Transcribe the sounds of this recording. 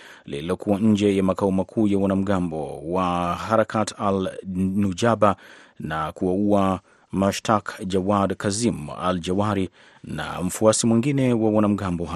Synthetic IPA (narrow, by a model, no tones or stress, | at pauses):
lḭliɔkuwaɲ̩d͡ʒɛjamakaɔmakʰuːjawanam̩ɡambɔwaɦaɾakatialnud͡ʒabanakuaua | maʃtʰakd͡ʒawadkazima̰ld͡ʒawaɾi | na̰m̩fuasimwiŋɡinɛwawanam̩ɡambɔɦa